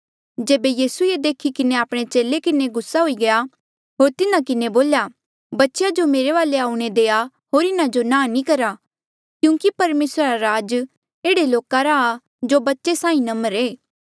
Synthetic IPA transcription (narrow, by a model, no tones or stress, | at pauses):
d͡ʒeːbejiːsued̪eːkʰikɪneaːpɽ̃et͡ʃeːlekɪneɡʊsːaɦoiɡɐja | ɦoːɾt̪ɪnãkɪneboːlja | bɐtːʃjad͡ʒomeːɾeʋaːleaːuɽ̃ed̪eːa | ɦoːɾɪnad͡ʒonãːnĩkɐɾa | kjũːkipɐɾmeːsɾaɾaɾaːd͡ʒ | eːɽeloːkaɾaː | d͡ʒobɐtːʃesãːĩnɐməɾeː